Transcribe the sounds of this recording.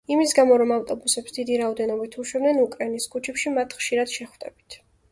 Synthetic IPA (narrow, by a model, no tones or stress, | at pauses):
imisɡamɔɾɔmaft̪ʼɔbusɛpsd̪id̪iɾaɔd̪ɛnɔbit̪ʰuʃwɛbnɛnukʼɾainiskʰʼut͡ʃʰɛpʃimat̪ʰχʃiɾad̪̥ʃɛχwd̪ɛ̰bit̪ʰ